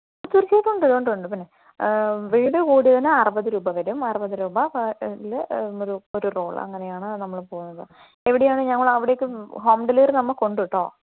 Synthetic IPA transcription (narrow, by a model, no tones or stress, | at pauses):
t̪urit͡ɕːet̪ːuɳɖɐɾuuɳɖuɳɖɨpinːe | ʋiːɽɨkuːɽiðɐnɨɐrɨbɐðɨɾuːbɐʋɐɾumɐrɨbɐðɨɾuːbɐɐiloɾuoɾuro̞ːɭɐ̰ŋːɐne̞jaːɳɨnɐmːɐɭpo̞ːɣunːɐðɨ | e̞ʋiɽejaːɳɨɲɐŋːɐɭɐʋiɽe̞ːkːɨɦo̞ːmɖɐliːrnɐmːɐko̞ɳɖuʋiʈːo̞̰ː